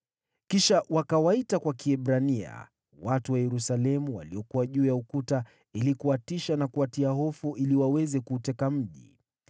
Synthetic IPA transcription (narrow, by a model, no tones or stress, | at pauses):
kiʃawakawaitakwakiɛɓɾania̰ | watuwajɛɾusalɛmuwa̰liɔkuwaʄuːjaukuta | ilikuatiʃanakuatiaɦɔfuʔiliwawɛzɛkuːtɛkam̩ʄḭ